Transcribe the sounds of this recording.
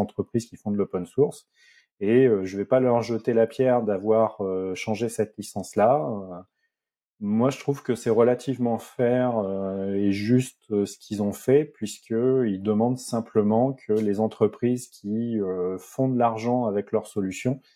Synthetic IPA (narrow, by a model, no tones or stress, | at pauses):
ɑ̃t̪χəpχizkʲifɔ̃d̪əlɔpɛnsuʁs | eøʒəvɛpalœʁʒət̪elapjɛʁd̪avwaʁøʃɑ̃ʒesɛt̪lisɑ̃slaø | mwaʒət̪χuv̥kəsɛʁəlat̪ʰivmɑ̃fɛʁøeʒyst̪øsə̥kʲʰilzɔ̃fɛpɥiskəild̪əmɑ̃d̪sɛ̃pləmɑ̃kʰəlezɑ̃t̪χəpχizkʲʰiøfɔ̃d̪əlaʁʒɑ̃avɛklœʁsɔlysjɔ̃